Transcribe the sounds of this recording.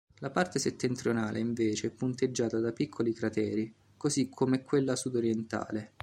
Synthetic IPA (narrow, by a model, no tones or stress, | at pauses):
lapart̪eset̪ːent̪ɾjonaːlʔḛiɱveːt͡ʃeɛpːunt̪ed͡ʒːaːt̪ad̪apikʰːolikɾat̪ɛːɾi | kozikʰːomɛkːwelːasud̪oɾjɛnt̪a̰ːle